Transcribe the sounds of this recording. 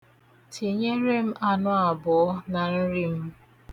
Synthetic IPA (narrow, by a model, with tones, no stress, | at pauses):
tʰi˨ɲe˦ɾe˦m̩˦ʔa˦nʊ˦a˨bɔ˨ɔ˦na˨n̩˦ɾi˦m̩˦